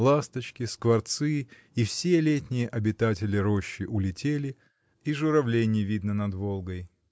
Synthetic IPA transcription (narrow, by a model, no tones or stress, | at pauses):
lˠast̪ət͡ɕkʲɪskvɐrt̪sɨ | ifsʲelʲetʲnʲɪjəʔɐbʲɪt̪atʲɪlʲɪɾo̞ɕːɪʔʊlʲɪtʲelʲɪ | iʐʊɾɐvlʲenʲɪjəvʲid̪nənɐd̪volˠɡəj